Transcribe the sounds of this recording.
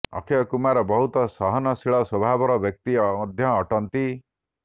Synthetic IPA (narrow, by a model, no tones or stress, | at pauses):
ɔ̰kʰeɔkumaɾɔbɔɦut̪ɔsɔɦɔnɔsiɭɔswɔbʱabɔɾɔbjɔk̚t̪iɔmɔd̪ʱjɔːʈɔnt̪i